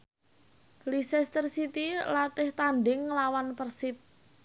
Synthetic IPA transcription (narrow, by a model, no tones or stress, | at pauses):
lisɛst̪ərsit̪ilat̪ɪht̪anɖɪŋːlawanpərsɪp̪̚